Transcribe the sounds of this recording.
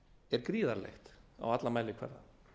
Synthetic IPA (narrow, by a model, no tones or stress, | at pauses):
ɛɾkɾiːðaɾlḛxt̪a̰wat̪lamaːjlɪkʰv̥ɛ̰ɾða̰